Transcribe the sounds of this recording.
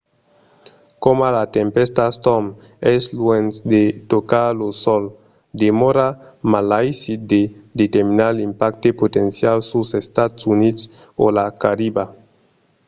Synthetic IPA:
komalat̪empest̪ast̪ɔm | ɛslwensd̪et̪okalosɔl | d̪emɔɾamalajsid̪ed̪et̪eɾminaɾlimpakt̪epot̪ensjalsusest̪at̪sunit̪s | o̰lakaɾiba

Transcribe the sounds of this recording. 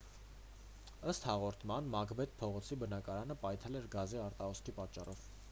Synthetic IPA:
əst̪hɑʁɔɾt̪ʰmɑnmɑkbɛt̪̚pʰɔʁɔt͡sʰibənɑkɑɾɑnəpɑjt̪ʰɛlɛɾɡɑziɑɾt̪ɑɦɔskʰipɑt͡ʃːɑrɔv

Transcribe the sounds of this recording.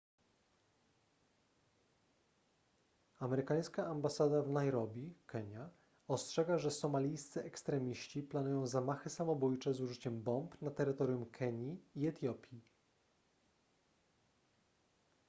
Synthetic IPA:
amɛɾɘkaj̃skaʔambasad̪avnajɾɔbʲikʰɛɲa | ɔstʂɛɡaʐɛsɔmalʲijst̪sɘʔɛkst̪ɾɛmʲiɕt͡ɕiplanujɔ̃w̃zamaxɘsamɔbujt͡ʂɛzuʐɘt͡ɕɛmbɔmpnat̪ɛɾɘt̪ɔɾʲjumkʰɛɲiːɛt̪ʲjɔpʲji

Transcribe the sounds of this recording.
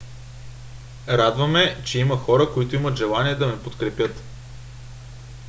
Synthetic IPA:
ɾad̪vɐmɛt͡ʃɛimɐxɔɾəkoit̪ʊimət̪ʒɛlˠaniɛd̪ɐmɛpot̪kɾɛpʲjɤt̪

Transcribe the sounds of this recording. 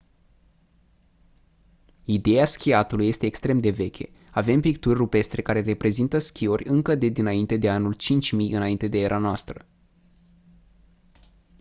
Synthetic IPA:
id̪e̞jaskʲiat̪ulujːe̞st̪eːkst̪ɾe̞md̪e̞ve̞kʲe̞̰ | ave̞mpik̚t̪urʲrupe̞st̪ɾe̞kaɾe̞re̞pɾe̞zint̪əskʲiorʲɨŋkəd̪e̞d̪inaint̪e̞d̪e̞anult͡ʃint͡ʃʲmijɨnaint̪e̞d̪e̞eɾʔanoast̪ɾə

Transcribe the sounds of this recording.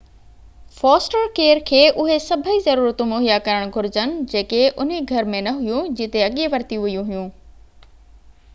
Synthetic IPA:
fɔːsʈəɾkeːɾkʰeːʔʊɦesɐbʱəizɐɾuːɾət̪ũmoːɦijakɐɾəɽ̃ɡʱʊɾɪd͡ʑənɪ̆d͡ʑeːkeʔʊn̤iɡʱɐɾmẽnɐɦʊjũd͡ʑɪt̪eɐɠiʋɐɾt̪ijũʋɐijũɦijũː

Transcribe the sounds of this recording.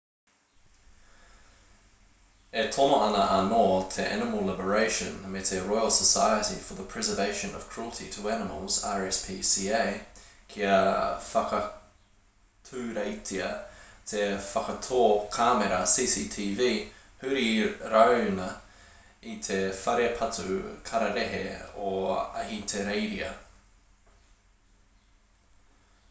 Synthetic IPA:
ɛtʰɔməʔanəʔanɔːtʰɛʔænəməlˠlɪbəɹeɪʃə̰̃nəmɪtəɹɔɪəlˠsəsaɪətifəðəpʰɹ̥ɛzəveɪʃə̃nə̰v̥kʰɹ̥uəlˠtʰitʰəænəmə̰lˠz̥a̰ɹɛspʰiːsieɪkʰiəfakə | tʰʉɾeɪtʰiɐtʰefɐkɐtʰoːkʰameɾɐsiːsiːtʰiːviː | hʉɾiɾɐwnɐ | itʰefɐɾeɐpʰɐtʉkʰɐɾɐɾeɦḛoɐ̰hitʰeɾeɪɾiɐ̰

